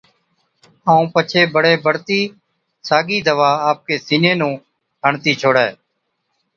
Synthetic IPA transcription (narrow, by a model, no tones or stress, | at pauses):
aːũːpət͡ʃʰeːbəɽeːbəɽt̪iː | saːɡiːd̪əʋaːaːp̚keːsiːnẽːnũː | ɦəɳt̪iːt͡ʃʰoːɽɛː